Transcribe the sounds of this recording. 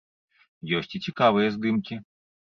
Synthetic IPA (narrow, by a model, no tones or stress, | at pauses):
jɔsʲt͡sʲit͡sʲikavɨjɐzd̪ɨmkʲi